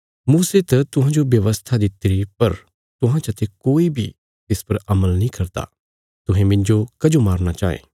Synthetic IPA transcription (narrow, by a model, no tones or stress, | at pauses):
muːset̪ɐt̪ʊɦãd͡ʒobjɐʋəst̪ʰad̪ɪt̪ɾipɐɾ | t̪ʊɦãt͡ʃɐt̪ʰekoːibʱi | t̪ɪspɐɾɐməlnĩkɐɾt̪a̰ː | t̪ʊɦẽmɪ̃nd͡ʒokɐd͡ʒomaːɾnat͡ʃaːḛː